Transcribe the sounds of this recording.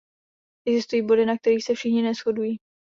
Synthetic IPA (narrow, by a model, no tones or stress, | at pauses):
ʔɛɡzɪst̪ujiːbo̞dɪnak̚t̪ɛɾiːxsɛfʃɪxɲɪnɛsxo̞dujiː